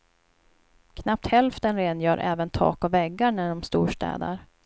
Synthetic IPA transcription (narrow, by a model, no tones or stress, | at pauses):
kʰnap̚t̪hɛlft̪ənɾeːnjœːɾʔɛ̰ːvənt̪ʰɑ̰ːkɔvɛɡːaɳæɖɔmst̪uːʂʈɛ̰ːd̪ə̰ɾ